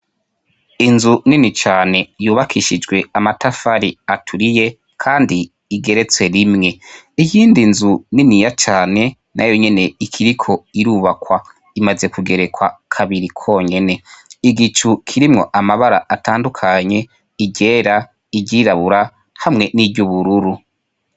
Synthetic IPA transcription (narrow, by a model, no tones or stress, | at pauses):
inzuninit͡ʃaːne̞juːβakʰiʃid͡ʒɡwe̞amatafaɾiatʰuɾije̞ | kʰaːndiː | ɡe̞ɾe̞t͡swe̞ɾimŋe̞ | ikiːndinzuninijat͡ʃaːne̞ | nʔa̰jo̞ɲe̞ne̞ikʰiɾikʰo̞iɾuːβakwa | imaze̞kuɡe̞ɾe̞kwa̰kʰaβiɾikʰo̞ːɲe̞ne̞iɡit͡ʃukʰiɾimŋo̞̰ʔamaβaɾaʔataːndukʰaɲe̞ | iɟe̞ːɾa | iɟiɾaβuɾa | hamŋe̞nivɟuβuɾuɾu